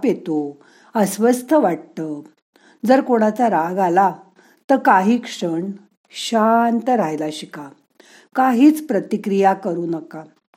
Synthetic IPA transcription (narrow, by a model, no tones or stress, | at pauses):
pjet̪o | əsʋəst̪ʰəʋaʈ̚t̪ə | d͡zəɾkoɽ̃at͡saɾaɡala | t̪əɾkaɦiːkʂəɳ | ɕant̪əɾajlaɕika | kaɦiːt͡spɾət̪ikɾijakəɾuːnəka